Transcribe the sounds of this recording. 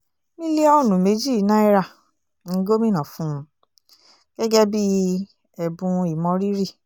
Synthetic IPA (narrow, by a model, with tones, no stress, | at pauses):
mĩ˦le˦ɔ˦˨nũ˨me˨˦d͡ʒi˦˨˦nã˦i˦ɾa˦˨ | nĩ˧˦ɡo˦mĩ˦nã˨fũ˦˧˦ | ɡ̥ɛ˦ɡɛ˦bi˦ | ɛ˨bũ˧i˨mɔ̃˧ɾi˦ɾi˦˨